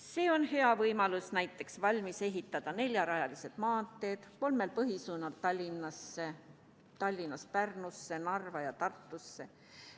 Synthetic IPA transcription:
se̞ːo̞nhe̞ɑvɤjmɑlusnæjt̪ˑːe̞ksvɑlʲmise̞ɦit̪ˑːɑd̪̥ɑne̞lʲjɑɾɑjɑlise̞d̪̥mɑːnt̪ːˑe̞ːd̪̥ko̞lme̞lpɤɦisuːnɑlt̪ɑlʲːinːɑsːe | t̪ɑlʲːinːɑspærnusːe̞nɑrvɑjɑt̪ɑrt̪ˑːusːe̞

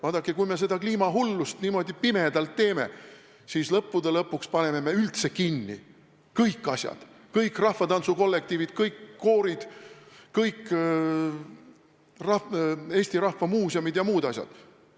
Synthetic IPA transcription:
vɑːd̪̥ɑkːˑekujme̞s̬e̞d̪ɑkliːmɑɦulːust̪niːmo̞d̪ipime̞d̪̥ɑlt̪ːe̞ːme̞̰ | siːslɤpːˑud̪elɤpːˑukspɑne̞me̞me̞ylt̪se̞kinːḭ | kɤjkˑːɑsjɑ̰d̪̥ | kɤjkːˑrɑhvɑt̪ɑnsuko̞lːe̞k̚t̪iːvid̪̥kɤjkːoːɾid̪̥kɤjkː | rɑeːsʲt̪iɾɑhvɑmuːsiɑmid̪̥jɑmuːd̪̥ɑsʲjɑ̰d̪̥

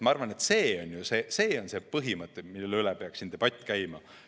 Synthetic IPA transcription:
mɑɑrvɑne̞t̪se̞ːo̞nʲjuse̞se̞ːo̞nse̞ːpɤɦimɤt̪ːˑemilːelylɛpe̞ɑksind̪̥e̞b̥ɑt̪ʲːˑkæjmɑ

